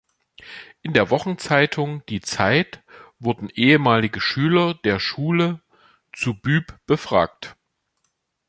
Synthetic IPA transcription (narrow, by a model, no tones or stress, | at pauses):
ʔɪndeːɐvɔχn̩t͡saɪtʰʊŋd̥iːt͡saɪtv̥ʊɐdn̩ʔeːəmaːlɪɡəʃyːlɐd̥eːɐʃuːlə | t͡subyːpb̥əfʁ̥a̰ːk̚t